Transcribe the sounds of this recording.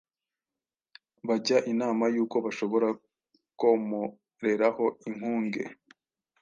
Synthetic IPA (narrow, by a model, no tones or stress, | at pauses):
βaɟaʔinaːmajuːko̞βaʃo̞βo̞ɾa | komu | ɾe̞ɾaho̞iŋ̥huːŋɡe̞̰